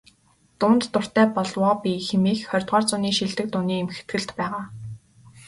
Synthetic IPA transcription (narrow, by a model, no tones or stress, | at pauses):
t̪ʊːnt̪ːʊr̥t̪æːpɔɮwɔːpiːxemiːxχœrʲt̪ʁɔːrt͡sʊniːʃiɮt̪ɘ̆k̚t̪ʊniːemxe̥t̪ɡɘ̆ɮt̪pæːʁaː